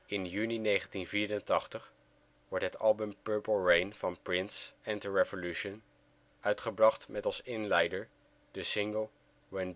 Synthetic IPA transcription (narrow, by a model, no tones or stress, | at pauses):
ɪnjyninejχəntinviːɾəntɑχtəχ | ʋɔɹtɦətɑ̰lˠbəmpɜɹpəl̩ˠɹejnv̥ɑnpɹɪnsɛntəɹevolʉʃən | œɥtχəbrɑχtmɛtɑlˠsɪnlɛjdəɹ | d̥əsɪŋɡəlˠ | wɛnd